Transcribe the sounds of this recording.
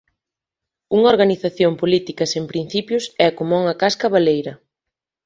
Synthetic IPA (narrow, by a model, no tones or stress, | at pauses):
uŋɐoɾɣaniθaθjompolit̪ikɐsempɾin̟θipjʊsɛkomuŋɐkaskɐβalejɾɐ